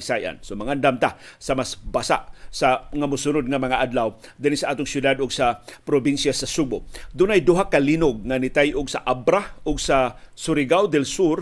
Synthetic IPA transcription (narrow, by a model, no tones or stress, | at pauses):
sajʔa̰nsomaŋand̪amt̪asamasbasa̰ʔsaŋamʊsunʊd̪̚ŋamɐŋaʔad̪lawd̪ɪnisaʔaːt̪ʊŋsjʊd̪ad̪ʊɡsapɾobinsjasasubʊd̪ʊnajd̪ʊɦakalinʊɡ̚ŋanɪt̪ajʔʊɡsaʔabɾaʊɡsasʊɾɪɡawd̪ɛlsuɾ